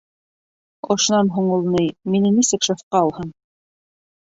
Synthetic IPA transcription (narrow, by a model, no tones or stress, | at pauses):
ŏʃ̆nɑnɦuɴŭlˠnɤjminɘnisɘkʃefqɑɑlˠhɤɴ